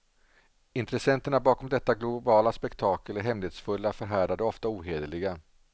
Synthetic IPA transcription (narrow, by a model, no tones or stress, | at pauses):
ɪnt̪ɾɛsɛnt̪əɳabɑːkɔmd̪ɛt̪ːaɡlʊbɑːlaspɛkt̪ʰɑːkəlæɾɦɛmleːt̪sfɵlːafœɾɦæːɖad̪əɔft̪auːɦeːd̪əlɪɡa